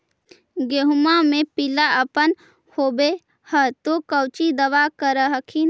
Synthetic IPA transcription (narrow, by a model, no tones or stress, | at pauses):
ɡeɦumamẽpilaəpən | hobe | hət̪okəwt͡ʃid̪əʋakəɾəɦəkʰin